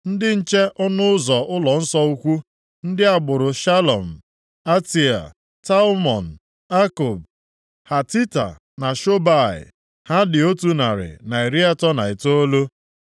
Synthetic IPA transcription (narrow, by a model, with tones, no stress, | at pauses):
n̩˦dɪ˦n̩˦t͡ʃe˦ʔʊ˦nʊ˦ʊ˦zɔ˨ʊ˦lɔ˨n̩˦sɔ˦u˦kʷu˦ | n̩˦dɪ˦a˨ɡ͡bʊ˨ɾʊ˨ʃa˦lɔ˨m̩˨ | a˦ti˨a̰˨ | ta˦mɔ˨n̩˨ | a˦ko˨b̚ | ha˨ti˦ta̰˨ | na˨ʃo˦ba˦˨ɪ̰˨ | ha˦dɪ˨o˦tu˦na˨ɾɪ̰˨na˨e˨ɾi˦a˦tɔ˦na˨ɪ˨to˦lo˦